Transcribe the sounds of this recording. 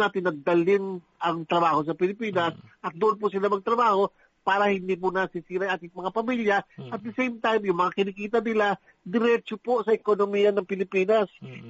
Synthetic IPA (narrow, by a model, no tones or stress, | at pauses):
naːt̪ɪnːɐɡ̚d̪ɐlɪn | ʔɐŋt̪ɾɐbaːho̞s̬ɐpɪlɪpiːnɐsʔɐt̪̚d̪ʊʔʊnp̬ʊsɪlamɐɡ̚t̪ɾɐbaːho̞ | paːɾɐhɪnd̪iːp̬ʊnɐsisiːɾajʔaːt̪ɪŋmɐŋapɐmiːljɐʔɐt̪̚d̪ɐsɛjmt̪ajmjʊŋmɐŋakɪnikiːt̪ɐnɪla | d̪ɪɾɛt͡ʃoposɐʔɛkonomiːjɐnɐŋpɪlɪpiːnɐs